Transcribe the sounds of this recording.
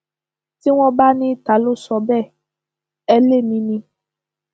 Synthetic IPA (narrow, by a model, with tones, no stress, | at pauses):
ti˦w̃ɔ̃˦ba˦nĩ˦ta˨˦lo˦sɔ˧bɛ˦˨ | ɛ˧le˦˨mĩ˧nĩ˧